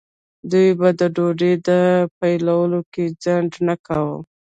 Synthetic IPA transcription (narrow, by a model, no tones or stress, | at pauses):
d̪ujbad̪əɖoɖed̪əpajlawəloked͡zaɳɖnakawə